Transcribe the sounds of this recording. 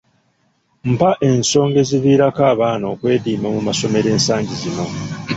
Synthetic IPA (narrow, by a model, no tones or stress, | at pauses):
m̩paʔe̞nso̞ːŋɡe̞ziviːɾakaːβaːno̞ːkwe̞ːdiːmamumaso̞me̞ɾe̞ːnsaːɲɟizino̞